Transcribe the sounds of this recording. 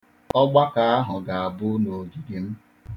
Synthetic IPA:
ɔ˦ɡ͡ba˦ka˨a˦ɦʊ˨ɡa˨a˨bʊ˦no˨ɡi˨di˨m̩˦

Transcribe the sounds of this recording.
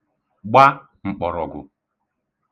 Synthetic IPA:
ɡ͡ba˦ | ŋ͡m̩˨k͡pɔ˨ɾɔ˨ɡʊ˨

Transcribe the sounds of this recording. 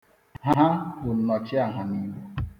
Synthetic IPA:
ɦa˦ɦa˦bʊ˨n̩˨˦nɔ˨t͡ʃɪ˦a˨ɦa˨ni˦wu˦

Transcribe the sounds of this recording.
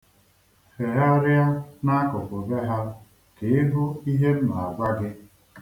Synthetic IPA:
fe˨ɾa˦ɾja˦na˦a˦kʊ˨pʊ˨be˦ɦa˦ | ke˨˦ɪ˦ɦʊ˦i˦ɦe˦m̩˦ma˨a˨ɡ͡ba˦ɡɪ˦

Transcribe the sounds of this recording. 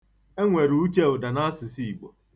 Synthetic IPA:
e˦ŋʷe˨ɾu˦u˦t͡ʃe˦ʊ˨da˨na˦sɪ˨si˦i˨ɡ͡bo˨

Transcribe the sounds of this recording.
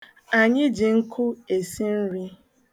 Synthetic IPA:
a˨ɲɪ˦d͡ʒi˨ŋ̩˦kʰʊ˦e˨si˦n̩˦ɾi˦

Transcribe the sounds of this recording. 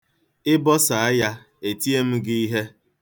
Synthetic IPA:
ɪ˦bɔ˦sa˨a˦ja˦ | e˨ti˦e˦m̩˦ɡɪ˦i˦ɦe˦

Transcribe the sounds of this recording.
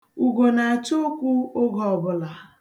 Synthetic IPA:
u˨ɡo˨na˨a˨t͡ʃo˦kʷu˦o˦ɡɔ˨ɔ˨bʊ˦la˨

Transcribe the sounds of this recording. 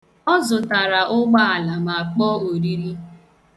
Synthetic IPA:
ɔ˦zʊ˨ta˨ɾa˨ʔʊ˦ɡ͡ba˦a˨la˨ma˨k͡pɔː˦o˨ɾi˦ɾi˦

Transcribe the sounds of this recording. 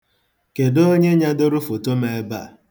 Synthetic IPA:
ke˨do˦ɲe˦ɲa˦dʊ˦ɾʊ˦fo˨to˦me˨˦ba̰˦˨

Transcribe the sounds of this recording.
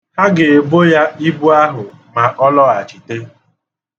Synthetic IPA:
ha˦ɡɪ˨bo˦ja˦i˦bu˦a˦ɦʊ˨ma˨ʔɔ˦lɔ˦a˨t͡ʃi˨te˦

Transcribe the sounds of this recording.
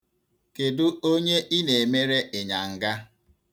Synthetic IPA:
ke˨dʊ˦o˦ɲe˦ʔi˦ne˨e˨me˦ɾe˦ʔe˨ɲa˨ŋ̩˨ɡa˦

